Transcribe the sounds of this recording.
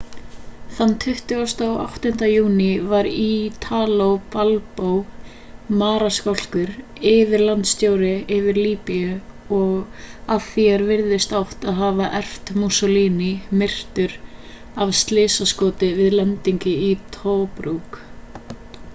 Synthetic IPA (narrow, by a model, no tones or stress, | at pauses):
θanːt̪ʰʏht̪ʏɣɔst̪aːwʔa̰wht̪ʏn̥t̪ajuːnɪvaɾit̪ʰaːlowpalpow | maːɾaskɔl̥kʏɾ | ɪvɪɾlant̪st̪joːwɾɪɪvɪɾliːpijʏɔɣaðθiaɾvɪɾðɪst̪awht̪aðɦaːvaʔɛr̥ft̪musɔliːnimɪr̥t̪ʏɾ | avst̪lɪːsaskɔːt̪ɪvɪðlɛnt̪iɲcɪit̪ʰoːpɾuk